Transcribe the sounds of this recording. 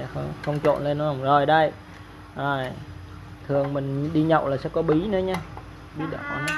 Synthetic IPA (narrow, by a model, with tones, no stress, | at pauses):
xə˧ŋ͡mxə˧wŋ͡mt͡ɕo̰˧˨nle˧nːɔ˨˦la˨˩wŋ͡mzo˨˩jɗə˧j | ʔəː˨˩j | t̪ʰɨ˨˩əŋmï˨˩ŋ̟ɗi˧ɲə̰˧˨wlaː˨˩sɛ̰˧˥kɔ˨˦ɓi˨˦nɨː˨˦ɲa˧ | ɓi˨˦ɗə̰˧˩˨n˧